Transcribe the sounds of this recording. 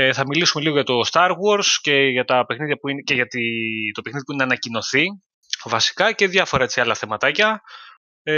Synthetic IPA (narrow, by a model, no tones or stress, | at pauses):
eθɐmilisume̞liɣo̞ʝɐt̪o̞st̪ɐɾɣo̞ɾsce̞ʝɐt̪ɐpe̞xniðjʝɐpuineceʝɐt̪it̪o̞pexniðipuineɐnɐcino̞θi | vɐsi̥kɐce̞ðjʝɐfo̞ɾɐet͡siɐlɐθe̞mɐt̪ɐcɐ